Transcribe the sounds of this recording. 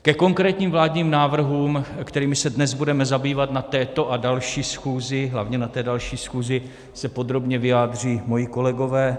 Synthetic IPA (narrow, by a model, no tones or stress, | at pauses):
kɛko̞ŋkɾɛːt̪ɲiːmvlaːdɲiːmnaːvr̩ɦuːmkt̪ɛɾiːmɪsɛdnɛzbudɛmɛzabiːvat̪nat̪ɛːt̪o̞ʔadalʃiːsxuːzɪɦlavɲɛnat̪ɛːdalʃiːsxuːzɪ | sɛpo̞d̪ɾo̞bɲɛvɪjaːd̪r̝iːmo̞jɪko̞lɛɡo̞vɛː